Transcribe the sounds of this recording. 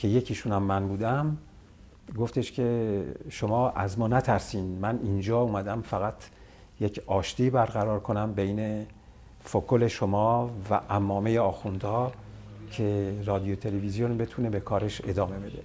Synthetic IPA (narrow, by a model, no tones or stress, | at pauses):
cʰe̞je̞cʰiːʃunæmːænbuːd̪æm | ɡo̞ft̪e̞ʃcʰeʃomɒːʔæzmɒːnæt̪ʰæɾsiːnd̪mænind͡ʒɒːuːmæd̪æmfæɣæt̪ʰ | je̞cʰɒːʃt̪iːbæɾɣæɾɒːɾkʰo̞næmbe̞jne̞ | fokʰole̞ʃomɒːvæ̰ʔæmːɒːme̞jeɒːxund̪hɒːcʰe̞rɒːd̪ijot̪ʰe̞levizjo̞nbe̞t̪ʰune̞be̞kʰɒːɾe̞ʃe̞d̪ɒːme̞be̞d̪e̞